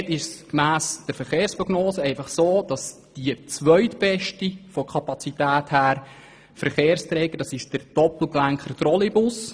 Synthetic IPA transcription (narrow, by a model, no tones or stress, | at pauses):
tɪʃskmæːsd̥əɾfəɾχeːɾspɾɔɡnoːsəɛɪfɑχsoːd̥ɑsd̥iət͡sʋœʏtb̥ɛʃtifɔkʰɑpɑt͡sitæːthæːɾ | fəɾχeːɾst̪ɾɛːɡ̥əd̥ɑsɪʃd̥əɾd̥ɔpl̩klæŋkχərt̪ɾɔlibʊs